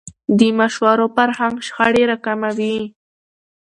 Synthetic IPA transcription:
d̪imaʃwaɾopaɾhaŋʃxaɽeɾakamawi

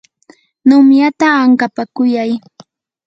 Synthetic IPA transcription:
nʊmjat̪aːŋkapakʊjaj

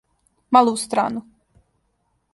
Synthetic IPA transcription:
malˠuust̪ɾa̰ːnu

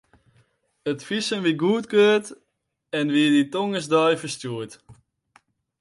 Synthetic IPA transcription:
ətfisənʋiɡuətkøːt | ɛnʋiəditoŋəsdœjfəstjuət

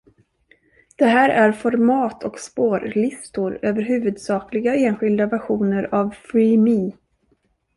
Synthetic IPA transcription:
d̪̥ɛɦæːɾʔæɾfɔɾmɑːt̪ʰɔkspoːɾlɪst̪ʊɾøːvəɾɦʉ̟ːvɵd̪sɑːklɪɡaeːnɧɪld̪avæɧuːnəɾavfimiː

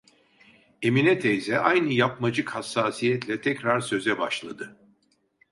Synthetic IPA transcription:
eminɛt̪ʰejzɛʔajnɯjapmad͡ʒɯkhasːaːsijɛt̪lʲɛt̪ʰɛcɾaɾsø̞zɛbaʃlˠad̪ɯ

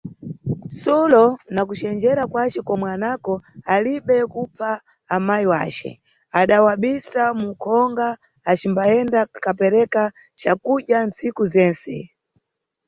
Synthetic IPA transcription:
sɔlɔnak̬ut͡ʃɛnd͡ʒɛɾakwat͡ʃɛkɔmwɛanakɔaliɓɛkupʰaː | majiwa̰ːt͡ʃɛ̰ | aɗawaɓisamukʰɔŋɡaː | t͡ʃimbaɛndakapɛɾɛka | t͡ʃakuɗjant͡sikuzɛːnsɛ̰

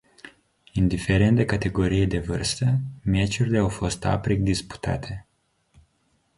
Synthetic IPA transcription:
ind̪ife̞ɾe̞nt̪d̪e̞kat̪e̞ɡo̞ɾijed̪e̞vɨrst̪əmet͡ʃurileawfo̞st̪a̰pɾik̚d̪ispu̥t̪a̰t̪ʰe̞

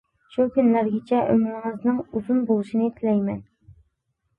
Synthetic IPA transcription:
ʃukʲynlæɾɡʲɪt͡ʃʰɛʔø̰nɪŋŋɨznɨŋuzunbolˠuʃinɪt̪ʰɪlɛjmɛn

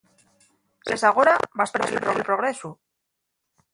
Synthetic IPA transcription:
sesaɣ̞oɾabaspɾeselpɾoelpɾoɣɾesu

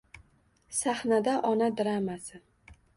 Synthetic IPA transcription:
saχnad̪aʔɒnad̪ɪɾamasɪ

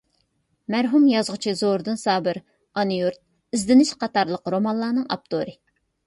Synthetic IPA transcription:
mæɾɦumjɑzʁət͡ʃʰizoɾd̪ɨnsɑːbɪɾ | ɑnijuɾt̪̚ | izd̪ɪnɪʃqɑt̪ɑɾlˠəqɾomɑnlˠɑːnɨŋɑ̰p̚t̪ʰoɾɨ

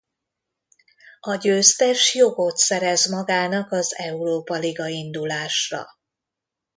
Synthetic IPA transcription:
ɒɟøːst̪ɛʃjoɡo̞t̪sɛɾɛzmɒɡaːnɒkɒzɛuɾoːpɒliɡɒind̪ulaːʃrɒ̰

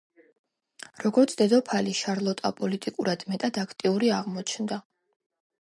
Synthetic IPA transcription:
ɾɔɡɔɾt̪sʰd̪̥ɛd̪ɔpʰaliʃaɾlˠɔt̪ʼa̰pʼɔlit̪ʼikʼuɾad̪̥mɛt̪ʼad̪akʰt̪ʼiuɾiaʁmɔt͡ʃʰnd̪a

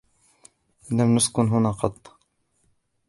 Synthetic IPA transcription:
lamnʊskʊnɦʊnaːqɑt̪ˤː

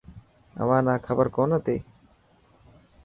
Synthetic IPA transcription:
a̰manakʰabaɾkɔnat̪e

